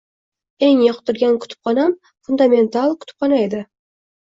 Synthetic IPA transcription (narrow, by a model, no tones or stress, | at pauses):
e̞ŋjɒqt̪ʰʊɾɡʲankʰʊ̥t̪ʰɪ̥p̚qɒnam | fʊnd̪amʲe̞nt̪alˠkʰʊ̥t̪ʰɪ̥p̚ʰɑnaed̪ɪ